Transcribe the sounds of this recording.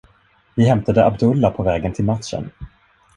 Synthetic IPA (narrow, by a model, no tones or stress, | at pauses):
vɪɦɛmt̪ad̪əʔabd̪ɵlːapʰɔvɛːɡənt̪ʰɪlmat̪ʂə̰n